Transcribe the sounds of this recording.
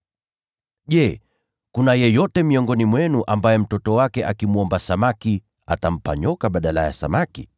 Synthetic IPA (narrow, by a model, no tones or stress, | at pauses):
ʄɛ | kunajɛjɔtɛmiɔŋɡɔnimwɛnuʔambajɛm̩tɔtɔwakɛʔakimuɔmbasamaki | a̰tam̩pa̰ɲɔkaɓaɗalaja̰sa̰maki